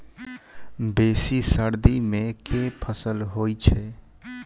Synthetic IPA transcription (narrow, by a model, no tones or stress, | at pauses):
besisəɾd̪imekepʰəsəlɦojt͡ʃʰɛ